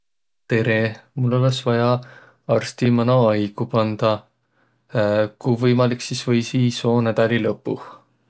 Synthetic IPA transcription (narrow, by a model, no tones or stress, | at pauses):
t̪e̞ɾemulːo̞lesvɑjɑ | ɑrst̪imɑnoɑjɡ̥upɑnd̪̥ɑ | kujvɤjmɑliksisvɤjsiːso̞ːnæd̪̥ɑlilɤpːˑu